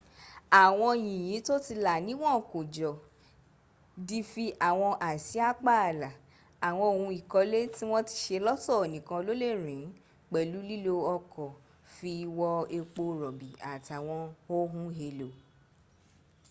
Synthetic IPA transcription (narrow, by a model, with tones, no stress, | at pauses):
a˨w̃ɔ̃˧jĩ˨j̃ĩ˨˦to˦ti˧la˨nĩ˨˦w̃ɔ̃˦˨kõ˨d͡ʒɔ˨ | di˧fi˧ʔa˨w̃ɔ̃˧ʔa˨si˨˦a˦k͡pa˦a˨la˨ | a˨w̃ɔ̃˧o˨hũ˧i˨kɔ˧˦le˦ti˦w̃ɔ̃˦ti̥˧ʃe˧lɔ˦tɔ˦˨o˨nĩ˨kã˧lo˦le˦˨ɾ̃ĩ˨˦ | k͡pɛ˨lu˨˦li˦lo˧ɔ˧kɔ˨ | fi˧i˧wɔ˧e˧k͡po˧ɾɔ˨bi˨a˨ti˨a˨w̃ɔ̃˧o˦ɦũ˦ɦe˧lo˨